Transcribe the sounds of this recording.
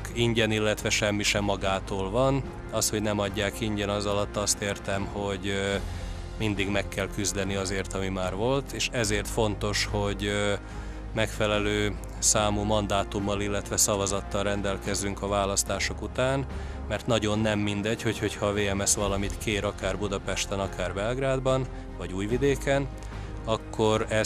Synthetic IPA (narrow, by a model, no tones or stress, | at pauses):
kiɲɟɛnilːɛt̪ʋɛʃɛmːiʃɛmːɒɡaːt̪oːlvɒn | ɒst̪ho̞ɟnɛmɒɟːaːkiɲɟɛnɒzɒlɒt̪ːɒst̪eːrt̪ɛmho̞ɟ | mind̪iɡmɛkːɛlkyzd̪ɛniɒzeːrt̪ɒmimaːrvo̞lt̪eːʃɛzeːrt̪fo̞nt̪o̞ʃho̞ɟ | mɛkfɛlɛløː | saːmuːmɒnd̪aːt̪umːɒlilːɛt̪ʋɛsɒvɒzɒt̪ːɒlrɛnd̪ɛlkɛzyŋkɒvaːlɒst̪aːʃo̞kut̪aːn | mɛrt̪nɒɟo̞nːɛmːind̪ɛɟho̞cho̞cʰhɒːveːɛmɛsʋɒlɒmit̪keːɾɒkaːrbud̪ɒpɛʃt̪ɛnɒkaːrbɛlɡraːd̪bɒn | vɒɟuːjvid̪eːkɛn | ɒkʰːo̞ɾɛ